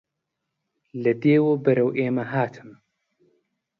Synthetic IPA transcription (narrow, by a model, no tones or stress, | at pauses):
lɨd̪eːwoːbɨɾɐwʔeːmɐɦaːt̪ʰɨm